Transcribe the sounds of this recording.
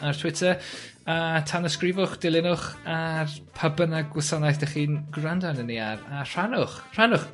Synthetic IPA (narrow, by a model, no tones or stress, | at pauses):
artʰwɪtʰə | atʰanəskrɪvʊχd̥ɪlˠɪnʊχarpʰəbənaɡwʊsanajθd̥aχiːnɡrandanəniarar̥anʊχr̥anʊχ